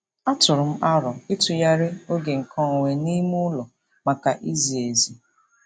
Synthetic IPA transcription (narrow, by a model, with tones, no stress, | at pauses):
a˦tʊ˨ɾʊ˨m̩˦ʔa˦ɾɔ˨ɪ˦tʊ˨ja˦ɾɪ˦o˦ɡe˨ŋ̩˨kʰɔ˦˨wʷe˨ni˦mu˦lɔ˨ | ma˨ka˨ʔi˦zi˨e˨zi˨